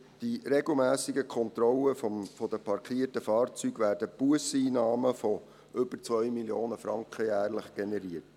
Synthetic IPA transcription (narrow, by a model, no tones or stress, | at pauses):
d̥iɾeɡl̩mæːsiɡəkʰɔnt̪ɾɔləffɔd̥̪əpʰɑɾkχiətəfɑːrt͡syɡ̥ʋæːɾdəpuəsiːnɑːməfɔ | ʔʏbəɾt͡svœʏmiljoːnəfɾɑŋkχəjæːrləχɡ̥enɛɾiət